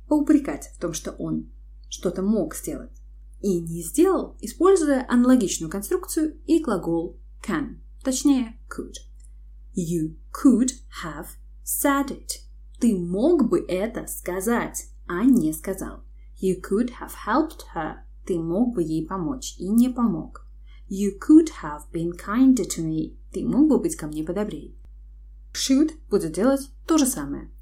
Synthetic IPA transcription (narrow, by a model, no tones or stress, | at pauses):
pəʊpɾʲɪkatʲft̪o̞mʂt̪o̞̰ʔon | ʂt̪o̞t̪əmo̞kz̥ʲdʲe̞lˠə̰tʲ | inʲɪzʲdʲe̞lˠəlˠɪspo̞lʲzʊjəʔɐnəlˠɐɡʲit͡ɕnʊjʊkɐnst̪ɾuk̚t̪sɨjʊiɡlˠɐɡo̞lˠ | kʰan | t̪ɐt͡ɕnʲejə | kʰʊd̪̥ | ju | kʰʊd̪ | həv̥ | sʲɛd̪ɪt̪ | t̪ɨmo̞ɡbɨʔɛt̪əskɐzatʲ | ɐnʲɪskɐzɑ̰lˠ | jɨkʰʊd̪həv̥hɛlˠpt̪hə˞ | t̪ɨmoɡ̚bɨjejpɐmo̞t͡ɕinʲɪpɐmo̞̰k | jɨkʰʊd̪həvbʲĩnkʰaɪ̃nd̪tʰɨmʲit̪ɨmoɡ̚bɨbɨtʲkɐmnʲepəd̪ɐbɾʲej | ʂut̪b̥udʲɪt̪̚dʲe̞lˠətʲt̪o̞ʐɨsamɨ̰jə̰